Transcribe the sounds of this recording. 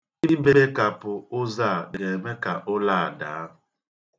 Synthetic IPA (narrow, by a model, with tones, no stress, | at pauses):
i˦i˦be˦e˦ka˨pʊ˨ʊ˦za˦˨ɡe˨me˦ka˨ʔʊ˦la˦˨a˨daː˨˦